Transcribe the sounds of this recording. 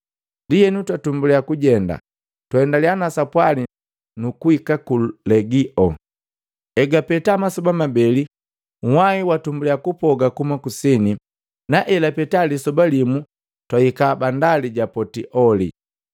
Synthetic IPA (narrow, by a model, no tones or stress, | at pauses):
ndijɛnutwatumbulɛjakuɟɛnda̰ | twahɛndalianasapwali | nukuikakulɛɡiʔɔ | ɛɡapɛtamasɔbamabɛli | ŋ̩hwaiwatumbulɛjakupɔɡakumakusini | naʔɛlapɛtalisɔbalimu | twahikabandaliɟapɔtiʔɔlḭ